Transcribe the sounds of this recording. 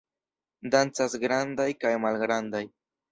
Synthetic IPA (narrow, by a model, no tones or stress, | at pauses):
d̪ant͡sasɡɾand̪ajkajmalɡɾand̪aj